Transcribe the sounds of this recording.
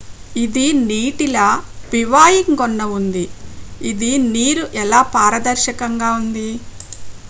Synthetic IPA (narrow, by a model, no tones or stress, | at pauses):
id̪iniːʈilɐpiʋaːjiŋɡɔnːɐund̪iid̪iniːɾuʔɛlaːpaːɾɐd̪ɐɾʃɐkɐŋɡaːund̪i